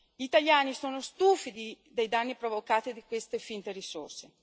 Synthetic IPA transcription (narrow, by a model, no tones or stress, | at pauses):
ʎiːt̪aljaːnisoːnost̪uːfid̪i | d̪ejd̪anːipɾovokaːt̪id̪ikwest̪efint̪eɾisorse